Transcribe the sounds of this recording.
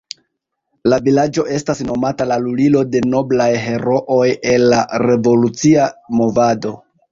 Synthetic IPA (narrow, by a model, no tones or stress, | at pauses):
lavilad͡ʒo̞ʔe̞stasno̞matalalulilo̞de̞no̞blajɦe̞ɾo̞ʔoje̞lːaɾe̞vo̞lut͡siamo̞vado̞